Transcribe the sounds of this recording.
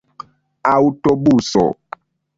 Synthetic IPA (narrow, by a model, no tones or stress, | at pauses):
awutobusɔ̰